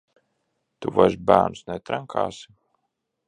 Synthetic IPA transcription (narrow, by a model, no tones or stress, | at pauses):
t̪uvaʒbæ̰ːnusnɛt̪ɾaŋkʰa̰ːsi̥